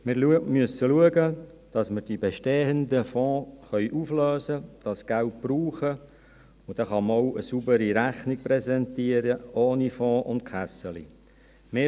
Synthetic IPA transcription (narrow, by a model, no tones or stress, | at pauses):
mɪɾlumyəsəluəɡə | d̥ɑsməɾd̥ibeʃteːənd̪əfɔ̃ːχœʏʔufløːzəd̥ɑsɡ̥ælt̚b̥ɾuːχə | ʊd̥ɑχɑməɔʊʔəsubəɾiɾæχnik̚pɾɛsɛnt̪iəɾəʔoːnifɔ̃ːʔʊnd̚kχæsəlḭ | mɪː